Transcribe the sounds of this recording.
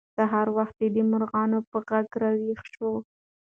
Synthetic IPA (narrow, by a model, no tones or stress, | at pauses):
saɦɑɾwaxt̪̚ed̪əmʊɾɣɑnopəɣaɡɾawixʃo